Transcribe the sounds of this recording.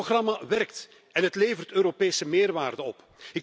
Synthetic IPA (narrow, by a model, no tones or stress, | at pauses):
ɣrɑmaʋɛrkt | ɛnɦətleːjvərtøːɾopeːsəmeːrʋaːrdəɔp | ɪk